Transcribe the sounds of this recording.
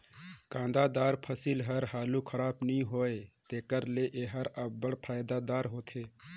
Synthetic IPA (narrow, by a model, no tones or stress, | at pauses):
kãnd̪ad̪aːɾpʰəsilɦəɾɦaːlukʰəɾaːpnĩɦoːet̪eːkəɾleʔeɦəɾəbbəɽpʰaːjd̪ad̪aːɾɦoːt̪ʰe